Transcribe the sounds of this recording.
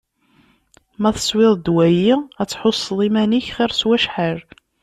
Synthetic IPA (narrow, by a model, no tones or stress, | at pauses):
mæθə̥sˤwɪðˤd̪wæjiæt͡sːħosˤːlˤimæniçχɪɾswæʃħəɾ